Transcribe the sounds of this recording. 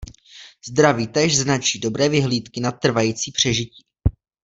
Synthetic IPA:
zd̪ɾaviːt̪ɛːʒznat͡ʃiːdo̞bɾɛːvɪɦliːt̪kɪnat̪ːr̩vajiːt͡siːpr̝̥ɛʒɪciː

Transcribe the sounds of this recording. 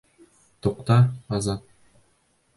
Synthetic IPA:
t̪uqt̪ɑɑzɑt̪̚

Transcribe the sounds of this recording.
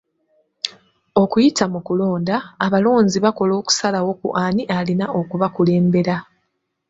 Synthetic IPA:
o̞kujitamukulo̞ːndaːβalo̞ːnziβako̞lo̞ːku̥salawo̞kṵʔaniʔalinao̞kuβakule̞ːmbe̞ɾa

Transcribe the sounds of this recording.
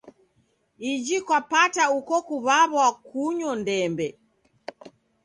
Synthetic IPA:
id͡ʒikwapataukɔkuβaβwakuɲɔndɛmbɛ

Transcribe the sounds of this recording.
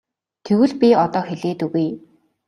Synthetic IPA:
t̪ʰewɘ̆ɮpʲiɔt̪ɔːxeɮeːt̪ɵɣuj

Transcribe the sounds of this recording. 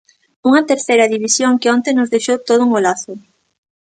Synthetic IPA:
uŋɐt̪eɾθejɾɐðiβisjoŋkɪɔnt̪enʊzðejʃowt̪oð̞ʊuŋolaθʊ

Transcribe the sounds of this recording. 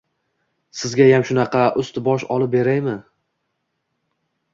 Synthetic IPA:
sɪzɡʲajamʃʊnɑqʰɑʔʊst̪bɒʃɒlˠɪp̚be̞ɾajmɪ

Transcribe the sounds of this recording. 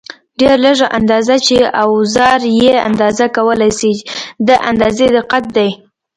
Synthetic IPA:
ɖeɾləʐaʔand̪ɑzat͡ʃeawzɑɾjea̰nd̪ɑzakawəlajsid̪əʔand̪ɑzed̪əqat̪̚d̪aj

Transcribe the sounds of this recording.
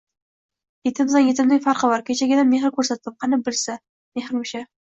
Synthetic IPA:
jet̪ʰɪmd̪anjet̪ʰɪmd̪ɪfaɾqʰɨvaɾkʲʰet͡ʃʰaɡʲɪd̪anmːeɦɪɾkʰʲɵɾsat̪̚ɪp̚qʰɑnɪbɪlsa | mehɪɾmʊʃa

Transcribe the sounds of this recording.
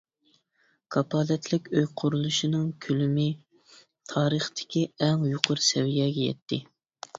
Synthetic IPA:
kʰɑpʰɑːlɛt̪ʰlɪkʲøjqʰʊɾulˠuʃinɨŋkʲʰylymɪ | t̪ʰɑːɾəχt̪ʰɪ̥kʲiɛŋjuqʰʊɾsɛvijɛɡʲɛjɛ̰t̪ʰːɪ

